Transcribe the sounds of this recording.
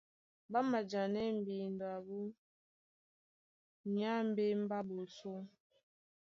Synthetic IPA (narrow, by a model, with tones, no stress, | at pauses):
ba˦ma˨d͡ʒa˨nɛ˦m̩˨bi˨n˨dwa˨bu˦ | ɲa˦m̩˦be˦m̩˦ba˦bo˨so˦